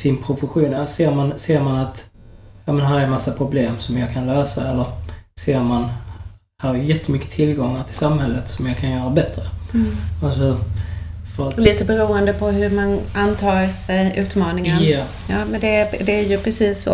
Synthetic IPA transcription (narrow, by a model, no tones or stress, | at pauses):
sɪnpʰɾʊfəɧuːnaseːɾmanseːɾmanat̪jɑːmɛnɦæːɾɛmasːapʰɾʊbleːmsɔmjɑːɡkʰanløːsa̰ɛlːəɾseːɾman | hæːɾæjjɛt̪ʰːəmʏkːə̥t̪ʰɪlɡɔŋːaʈ̪ʰɪlsamhɛlːət̪sɔmjɑkʰanjœːɾabɛt̪ɾə | asɔ | fœɾat̪ɔliːt̪əbɛɾuːənd̪əpʰɔɦɵmanʔant̪ʰɑːɾsɛjʔʉ̟ːt̪mɑːnɪŋa | jɑːmɛnd̪ɛd̪ɛæɾjɵpʰɾɛsiːsːɔ